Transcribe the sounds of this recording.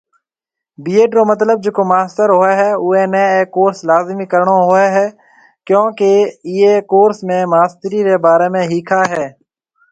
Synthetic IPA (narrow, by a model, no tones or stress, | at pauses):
biːeːɖɾoːmət̪ləb̚d͡ʒeːkoːmaːst̪əɾɦoːeːɦɛːuːeːneːeːkoːɾslaːzmiːkəɾɳoːɦoeːɦɛː | kjõːkeːiːeːkoːɾsmẽːmaːst̪əɾiːɾeːbaːɾeːmẽːɦiːkʰaːɦɛː